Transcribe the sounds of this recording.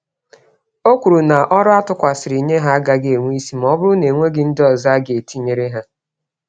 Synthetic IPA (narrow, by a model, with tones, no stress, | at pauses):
o˦kʷu˨ɾu˨na˨ʔɔ˦ɾʊ˦a˦tʊ˦kʷa˨sɪ˨ɾi˨ɲe˦ɦa˦a˦ɡa˦ɡe˨ŋʷi˦si˦m˨ɔ˦bʊ˦ɾʊ˦ne˨ŋʷe˦ɡɪ˦n̩˦dɪ˦ɔ˨za˦ɡe˨e˨ti˦ɲe˨ɾe˦ɦa˦